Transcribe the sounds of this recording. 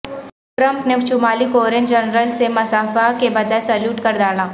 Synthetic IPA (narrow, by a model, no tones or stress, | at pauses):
ʈɾə̃mpnet͡ʃʊmaːlikoːɾẽnd͡ʒənɾəlsemɐsaːfakebɐd͡ʒaːesɐljuːʈkɐɾd̪aːlaː